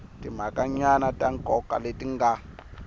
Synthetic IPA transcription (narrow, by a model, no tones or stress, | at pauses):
tʼim̤akʼaɲanatʼaŋkʼɔka̰letiŋɡa